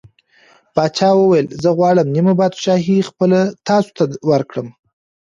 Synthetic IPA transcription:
bɑt͡ʃɑwəwajəlzəɣwɑɽəmnimabɑd̪ʃɑɦixpəlat̪ɑso̥t̪awəɾkɽəm

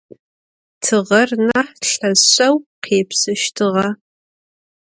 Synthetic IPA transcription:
tʰɨʁɐrnɐħɬɐzɐwqʰeːpsɨʃtʰɨʁɐ

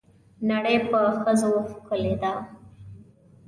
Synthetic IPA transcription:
naɽəjpəxəzoxkəled̪a

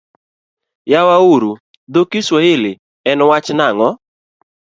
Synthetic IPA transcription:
jawauɾu | d̪okiswɔɪlɪ | ɛnwat͡ʃnaŋɔ

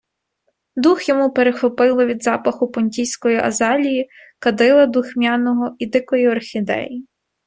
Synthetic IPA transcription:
d̪uxjɔmupeɾexɔpɪlˠɪʋʲid̪zɑpɐxʊpɔnʲtʲijsʲkɔjiʔɐ̰zɑlʲiji | kɐd̪ɪlˠɐd̪uxmʲjɑnɔɦɔid̪ɪkɔjiɐrxʲid̪ɛ̰ji

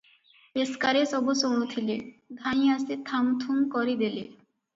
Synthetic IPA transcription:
peskaɾesɔbosonot̪ʰiled̪ʱaj̃aset̪ʰamt̪ʰumkɔɾid̪ele

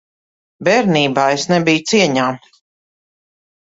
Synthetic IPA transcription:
bɛɾniːbaːesnɛbijt̪siɛɲaː

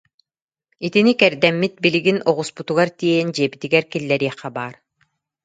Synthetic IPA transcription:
it̪inikɛɾd̪ɛmːit̪̚biliɡinɔʁusput̪uɣaɾt̪iɛind͡ʑiɛbit̪iɡɛɾkilːɛɾiɛχɛbaːɾ

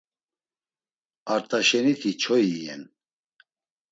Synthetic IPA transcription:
aɾt̪ʼaʃɛnit̪ʰit͡ʃʰɔiɛ̰n

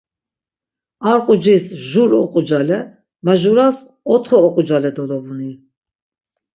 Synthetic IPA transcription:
aɾqʼud͡ʒisʒuɾɔ̰qʼud͡ʒalɛ | maʒuɾas | ɔt̪ʰχɔɔqʼud͡ʒalɛd̪ɔlɔbuni

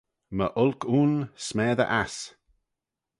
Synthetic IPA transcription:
məʔʊlkʰuːnsmɛːðə̰ʔas

